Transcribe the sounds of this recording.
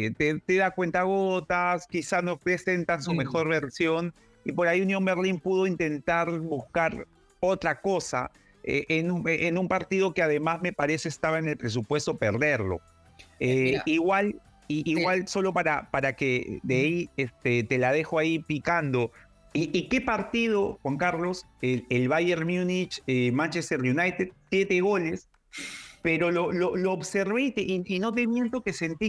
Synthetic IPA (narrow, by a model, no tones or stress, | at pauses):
t̪et̪e̞ðakwe̞nt̪aɣ̞o̞t̪askisanopɾe̞se̞nt̪ans̬ume̞xo̞ɾβe̞ɾsjo̞n | ipo̞ɾaiunjo̞mbe̞ɾlimpuð̞o̞int̪e̞nt̪aɾβuskaɾ | o̞t̪ɾako̞sa̰ | ḛʔenueʔenumpaɾt̪ið̞o̞keað̞e̞mazme̞paɾe̞seːst̪aβaene̞lpɾe̞s̬upwe̞st̪o̞pe̞ɾðe̞ɾlo̞̰ | eiɣwal | iːɣwalso̞lo̞paɾapaɾake̞d̪eiest̪et̪e̞lað̞e̞xoaipikand̪o̞ | iʔike̞paɾt̪ið̞o̞xwaŋkaɾlo̞s | eelβaje̞ɾmjunit͡ʃemãnt͡ʃest̪eɾjunajt̪ed̪̚sje̞t̪eɣo̞le̞s | pe̞ɾo̞lo̞loloːβse̞ɾβejt̪eʔiino̞t̪̬e̞βje̞nt̪o̞kese̞nt̪i